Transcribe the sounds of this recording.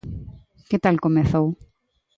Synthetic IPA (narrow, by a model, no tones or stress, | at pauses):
ket̪alkomeθow